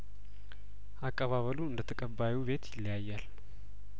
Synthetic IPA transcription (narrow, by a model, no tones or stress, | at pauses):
ʔakʼːəβaβəluɨnd̪ət̪ʰəkʼəbːajuβe̞t̪jɪlːjajːal